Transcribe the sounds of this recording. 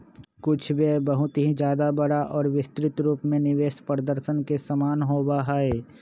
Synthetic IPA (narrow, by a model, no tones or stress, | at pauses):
kʊt͡ʃʰbebəɦʊt̪ɦĩd͡ʒjaːd̪abəɽaʔɔːɾʋɪst̪ɾɪt̪ɾuːpmẽnɪʋeːʃpɾəd̪əɾʃənkesəmaːnɦoːbaɦaːeː